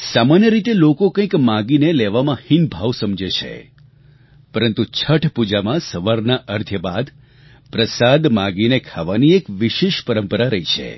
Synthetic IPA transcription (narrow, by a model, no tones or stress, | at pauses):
samanjəɾit̪elokokə̃ĩkmãɡineleʋamãhinbʱaʋsəmd͡ʒet͡ʃʰḛ | pəɾənt̪ut͡ʃʰəʈʰpud͡ʒamãsəʋaɾnaʔəɾd̪ʱjəbad̪ | pɾəsad̪mãɡinekʰaʋaniekʋiʃeʃpəɾəmpəɾaɾəɦit͡ʃʰḛ